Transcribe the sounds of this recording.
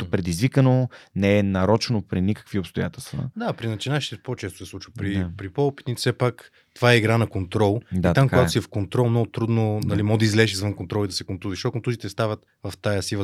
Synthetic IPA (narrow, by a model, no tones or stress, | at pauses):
t̪opɾɛd̪izvikənonɛɛnɐɾɔt͡ʃɛnopɾinikə̥kviopst̪oja̰t̪ɛlˠst̪və̰d̪apɾinɐt͡ʃinaʃi̥t̪ɛpot͡ʃɛst̪ʊ̥sɛsˠut͡ʃvəpɾiapɾipɔpit̪nit̪sɛpak | t̪ovaɛiɡɾanɐkont̪ɾɔlˠd̪iat̪amkaɡatsiɛfkont̪ɾɔlˠmnɔɡʊt̪ɾud̪nonɐlimɔd̪ɐizlɛʒizvənkont̪ɾɔlˠid̪ɐsɛkont̪uziʃt̪ɔkont̪uzit̪ɛst̪avət̪ | vɐft̪ajɐsivə